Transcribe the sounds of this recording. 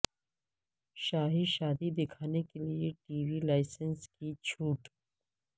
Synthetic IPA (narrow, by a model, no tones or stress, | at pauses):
ʃaːɦiʃaːd̪id̪ɪkʰaːnekelijeʈiːwilaːɪsənskit͡ʃʰuːʈ